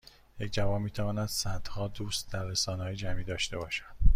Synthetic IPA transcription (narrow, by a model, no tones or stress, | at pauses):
jecʰʲd͡ʒævɒːnmiːt̪ʰævɒːnæd̪̥sæd̪̥hɒːd̪uːst̪d̪æɾːesɒːnehɒːjed͡ʒæmiːd̪ɒːʃt̪e̞bɒːʃæd̪̥